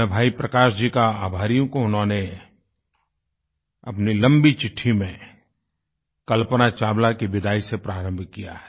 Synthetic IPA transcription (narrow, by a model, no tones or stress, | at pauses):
bʱaːipɾɐkaːʃd͡ʒikaaːbʱaːɾijõkoʊnɦõːne | ɐpnilɐ̃mbit͡ʃɪʈʰːimẽ | kɐlpənat͡ʃaːblakiʋɪd̪ʱaːisepɾaːɾə̃mbʱkija̰ɦɛ